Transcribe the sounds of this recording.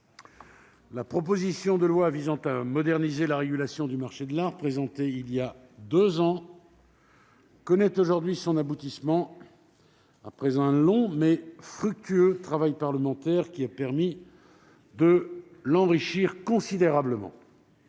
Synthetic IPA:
lapχɔp̬ozisjɔ̃d̪əlwavizɑ̃t̪amɔd̪ɛʁnizelaʁeɡʲylasjɔ̃d̪ymaʁʃed̪əlaʁpχezɑ̃t̪eilja | d̪øzɑ̃ | kɔnɛt̪oʒuʁd̪ɥisɔ̃nabut̪ismɑ̃ | apχɛzɛ̃lɔ̃mɛfχyk̚t̪yøt̪χavajpaʁləmɑ̃t̪ɛʁkʲiapɛʁmi | d̪əlɑ̃ʁiʃiʁkɔ̃sid̪eʁabləmɑ̰̃

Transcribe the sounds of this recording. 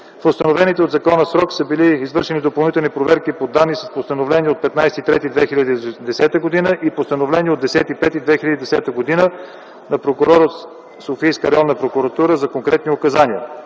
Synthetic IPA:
fost̪ənovɛnit̪ɛod̪zɐkɔnəsɾɔksəbiliːzvɤɾʃɛnid̪opɐlˠnit̪ɛlˠnipɾovɛɾkipod̪anːisəspost̪ənovlɛniɛot̪̚pɛt̪najsɛt̪it̪ɾɛt̪id̪vɛxilʲəd̪id̪ɛsɛt̪əɡod̪inəʔipost̪ənovlɛniɛod̪ɛsɛt̪ipɛt̪id̪vɛxilʲəd̪id̪ɛsɛt̪əɡod̪inə | nɐpɾokʊɾɔɾot̪ | sofijskəɾɛɔnːəpɾokuɾɐt̪uɾəzɐkoŋkɾɛt̪niokɐzaniə̰

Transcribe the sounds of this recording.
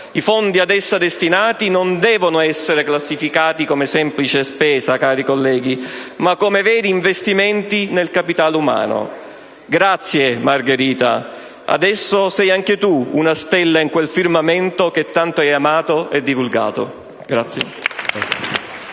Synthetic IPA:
ifond̪iad̪ɛsːad̪est̪inaːt̪inond̪ɛːvonoɛsːeɾeklasːifikaːt̪ikomesɛmplit͡ʃespɛːzakaːɾikolːɛːɡ̟imakːomevɛːɾiːɱvest̪imɛnt̪inelkapit̪aːluma̰ːno̰ | ɡɾat̪sːjemarɡeɾiːt̪a̰ | a̰d̪ɛsːosɛjaŋk̟et̪uunast̪ɛlːaiŋkwelfirmamɛnt̪ok̟et̪ːant̪oɛjamaːt̪oɛd̪ːivulɡa̰ːt̪o̰ | ɡɾat̪sːjḛ

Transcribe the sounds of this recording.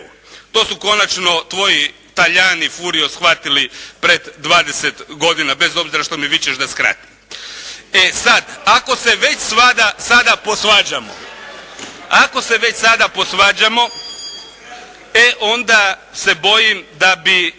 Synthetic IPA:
t̪o̞ːsuko̞nat͡ʃno̞t̪ʋo̞ji | t̪aʎaːnifuɾijo̞sxʋat̪ilipɾed̪ːʋaːd̪eset̪ɡo̞d̪inabe̞zo̞bziɾaʃt̪o̞miʋit͡ɕeʃd̪askɾa̰t̪i̥m | esad̪ako̞se̞ʋe̞t͡ɕsʋad̪asad̪apo̞sʋaːd͡ʑamo̞̰ | ako̞se̞ʋe̞t͡ɕsad̪apo̞sʋaːd͡ʑamo̞ | eʔo̞nd̪ase̞bo̞jimd̪abi

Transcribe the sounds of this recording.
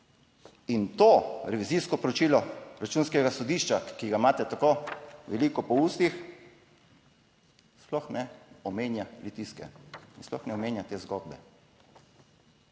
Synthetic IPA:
int̪oɾɛʋiziːskɔpɾɔt͡ʃiːlɔɾat͡ʃuːnskɛɡasɔd̪iːʃt͡ʃakiɡamaːt̪ɛt̪akoʋɛlikɔpɔust̪ix | splɔxnɛɔmeːnjalut̪iskɛ̰insplɔ̰xnɛɔmeːnjat̪eːzɡod̪̚bɛ

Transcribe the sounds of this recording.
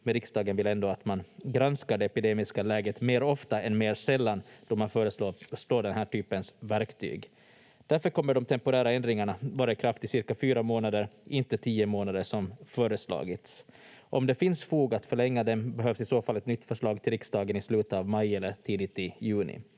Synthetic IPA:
mɛɾɪksd̪ɑːɡənvɪlɛnd̪oːat̪manɡɾanskaɖɛɛpɪd̪eːmɪskalɛːɡət̪meːɾɔft̪aɛnmeːɾʂɛlːand̪̥ɔmanfœːɾəsloːʂloːɖɛnɦæːʈʰyːpənsvæɾkt̪ʰy̰ːɡ | d̪̥æɾfœɾkʰɔmːəɖɔmt̪ʰɛmpʊɾæːɾaɛnd̪ɾɪŋaɳavɑːɾaɪkʰɾaft̪ɪsɪɾkafyːɾamoːnad̪əɾʔɪnt̪ət̪ʰiːəmoːnad̪əʂɔmfœːɾəslɑ̰ːɡɪt̪s | ʔɔmd̪ɛfɪnsfuːɡat̪fœɭɛŋːad̪ɛmbɛɦøːvsɪsoːfalːɛt̪nʏt̪ːfœʂɭɑːɡ̚t̪ʰɪlɾɪksd̪ɑːɡənɪslʉ̟ːt̪avmajɛlːəɾʈ̪ʰiːd̪ɪt̪ɪjʉ̟ːnɪ̰

